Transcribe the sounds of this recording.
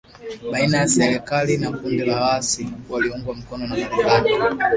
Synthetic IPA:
ɓainajasɛɾɛkalinakundilawasiwaliuŋɡwam̩kɔnɔnamaɾikani

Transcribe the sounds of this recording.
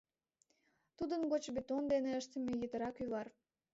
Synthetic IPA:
t̪ud̪ənɡot͡ɕbet̪ond̪eneəʃt̪emejət̪əɾɑkyβɑr

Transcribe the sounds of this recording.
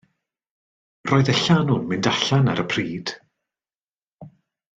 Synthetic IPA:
rɔːɨðəɬanʊnmɪndaɬanaɾəpʰriːd̥

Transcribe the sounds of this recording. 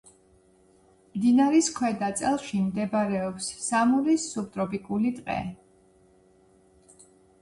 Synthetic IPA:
md̪inaɾiskʰwɛd̪at̪sʼɛlˠʃimd̪ɛbɾɛɔpsːamulisːup̚t̪ʼɾɔpʼikʼulit̪ʼqʼɛ̰

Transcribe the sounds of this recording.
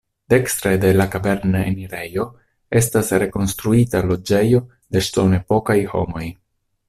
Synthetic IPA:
d̥e̞kst̪ɾe̞de̞lakabe̞ɾnaḛniɾe̞jo̞ | e̞stasɾe̞ko̞nst̪ɾuitalo̞d͡ʒe̞jo̞ | de̞ʃto̞ne̞po̞kajho̞̰mo̞j

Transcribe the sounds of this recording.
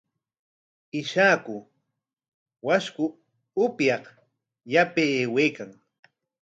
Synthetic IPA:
ɪʃaːkʊ | waʃkʊ | ʊpjɑq | japeweːkaŋ

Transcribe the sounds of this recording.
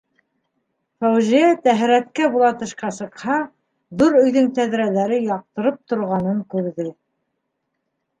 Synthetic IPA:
fæwziæt̪æɦɾæt̪kæbulˠɑt̪ɤ̆ʃqɑsɤ̆qhɑ | ðuɾɵ̆jðɵŋt̪æðɾælæɾɘjɑq̚t̪ɤ̆ɾɤp̚t̪ŏɾʁɑnɤŋkʉɾðɘ

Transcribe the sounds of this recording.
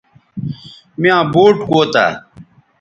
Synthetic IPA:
miãːbuːʈkoːt̪a̰ː

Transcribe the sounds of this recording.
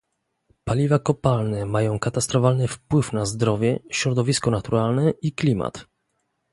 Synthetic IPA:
palʲivakɔpalnɛmajɔ̃w̃kat̪ast̪ɾɔfalnɘfpwɘfnazd̪ɾɔvʲjɛɕɾɔd̪ɔvʲiskɔnat̪uɾalnɛʔiklʲima̰t̪

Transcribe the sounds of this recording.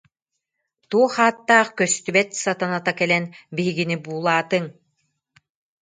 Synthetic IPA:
t̪uɔχaːt̪ːaːχkœst̪ybɛt̪sat̪anat̪akɛlɛnbiɦiɡinibuːlˠaːt̪ɯŋ

